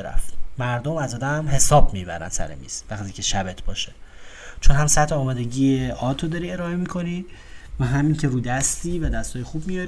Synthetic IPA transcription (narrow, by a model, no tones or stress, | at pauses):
ɾæ̰ft̪mæɾd̪omæzɒːd̪æmɦe̞sɒːbmibæɾæ̰nsæ̰ɾḛmḭz̥væχt̪ʰiːcʰe̞ʃæbe̞t̪ʰbɒːʃe̥ | t͡ʃʰonɦæmsæt̪ʰːeɒːmɒːd̪e̞ɟiːeʔɒːt̪ʰːod̪ɒɾiːe̞ɾɒːe̞mikʰo̞ni | væɦæmiːŋcʰeɾuːd̪æst̪iːvæd̪æst̪hɒːjexubmijɒɾi